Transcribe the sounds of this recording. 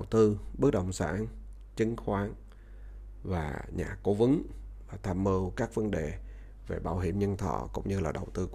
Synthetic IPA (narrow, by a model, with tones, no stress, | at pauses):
ə˨˩wt̪ɨ˧ɓə˦˥k̚ɗə̰˧˨wŋ͡msa̰ː˧˥n | t͡ɕɨ̈˨˦ŋxwaː˨˦n | vaː˨˩ɲaː˨˩ko˨˦vɨ˨˦ŋvaː˨˩t̪ʰaː˧˩mːəː˧wkaː˦˥k̚və˨˧˦nɗe˨˩ | ve˨˩ɓaː˧˩wɦḭ˧˩əmɲə˧nt̪ʰɔ̰ː˧˩˨kʊ̰˧˥ŋ͡mɲɨ˧laː˨˩ɗə˨˩wt̪ɨ˧